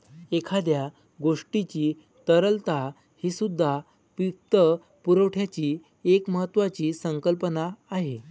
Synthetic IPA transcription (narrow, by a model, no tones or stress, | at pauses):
ekʰad̪ja | ɡoʂʈit͡ɕiː | t̪əɾəlt̪a | hiːsud̪ʱːa | pik̚t̪ə | puɾəwʈʰjat͡ɕiː | ekməɦət̪ːʋat͡ɕiːsəŋkəlpənaːɦe